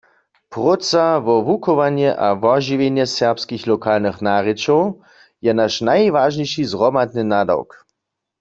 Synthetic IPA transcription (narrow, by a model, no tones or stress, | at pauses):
pʁot͡saʋɔvukɔʋanjɛʔavɔʒiʋenjɛsɛʁpskixlɔkʰaːlnɨxnaːʁɪt͡ʃɔw | jɛnaʃnajʋaːʒɲɛjʃizʁɔmad̪nɨnada̰wk